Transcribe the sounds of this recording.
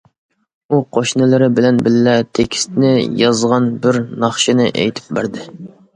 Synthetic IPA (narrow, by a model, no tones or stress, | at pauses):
uqʰoʃnɨlˠɨɾɪbɪlɛnbɪlːɛt̪ʰekʲʰɪ̥st̪nɪjɑzʁɑnbɪɾnɑχʃɪnɪʔḛjt̪ʰɪ̥p̚bæɾd̪ɪ